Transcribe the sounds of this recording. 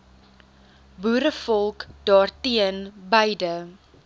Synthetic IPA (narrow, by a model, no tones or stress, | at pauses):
buːɾəfɔlˠkd̥ɑːrtiənbəjdə